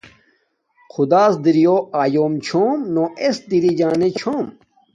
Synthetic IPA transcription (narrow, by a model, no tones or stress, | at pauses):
kʰud̪aːsd̪iɾijoːaːjoːmt͡ɕʰoːmnoʔesd̪iɾid͡ʑaːnet͡ɕʰoːm